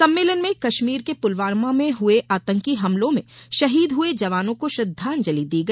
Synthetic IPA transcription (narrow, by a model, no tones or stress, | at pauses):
sɐ̃mːeːlənmẽkɐʃmiːɾkepʊlʋaːɾmamẽɦʊeʔaːt̪ə̃ŋkiɦɐmlõmḛ̃ʃɐɦiːd̪ɦʊed͡ʒɐʋaːnõkoʃɾɐd̪ʱːaːnd͡ʒɐlid̪iːɡɐ